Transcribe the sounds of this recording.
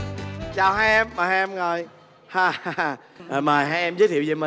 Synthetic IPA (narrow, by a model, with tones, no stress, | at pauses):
t͡ɕaː˨˩wɦaː˧jʔɛ˧mːaː˨˩ha˧ɛ˧mɣo˨˩j | haː˨˩a˧˩˨ | maː˨˩ɦaː˧jʔɛ˧mzəː˦˥t̪ʰḭ˧˨wzə˨˩mə˨